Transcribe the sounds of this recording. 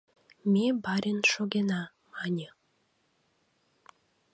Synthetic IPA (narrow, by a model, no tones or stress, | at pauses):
mʲebɑɾʲenʃoɣenɑ | mɑnʲə